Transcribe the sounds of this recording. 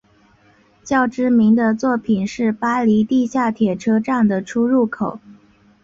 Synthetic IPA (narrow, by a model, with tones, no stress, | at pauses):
t͡ɕjɑ˥˩ʊʈ͡ʂɻ̩˥mi˧˥ŋd̪ə˧t͡swɔ˥˩pʰi˨˩nʂɻ̩˥˩pa˥li˧˥t̪i˥˧ɕja˥˩t̪ʰjɛ˨˩ʈ͡ʂʰɤ˥ʈ͡ʂa˥˩ŋd̪ə˩ʈ͡ʂʰu˥ɻu˥˩kʰo˨˩˦ʊ